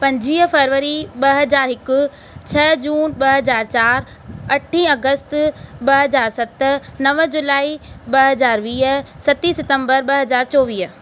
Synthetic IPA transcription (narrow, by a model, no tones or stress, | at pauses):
pɐ̃ɲd͡ʑʋiːɦfɐɾʋəɾiɓɐɦɐzaːɾɦɪkʊ̆ | t͡ɕʰɐd͡ʑuːnɓɐɦɐzaːɾt͡ɕaːɾ | ɐʈʰĩɐɡəst̪ɓɐɦɐzaːɾsɐt̪nɐʋəd͡ʑʊlaːiɓɐɦɐzaːɾʋiːɦsɐt̪isɪt̪ə̃mbəɾɓɐɦɐzaːɾt͡ɕɔːʋiːɦ